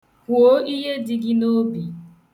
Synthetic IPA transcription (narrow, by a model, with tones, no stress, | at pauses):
ku˨o˦i˦ɦe˦dɪ˦ɡɪ˦no˦bi˨